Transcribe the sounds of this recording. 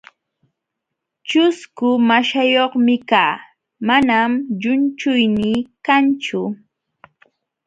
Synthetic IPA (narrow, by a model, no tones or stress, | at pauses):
t͡ʃʊskʊmaʃajoχmɪkaː | manamʎʊnt͡ʃʊjniːkant͡ʃʊ